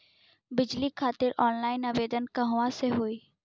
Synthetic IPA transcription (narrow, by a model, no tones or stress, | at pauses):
bɪd͡ʒlikʰaːt̪ɪɾʔɔːnlaːɪnɐʋeːd̪ənkɐɦʊʋãseɦoːiː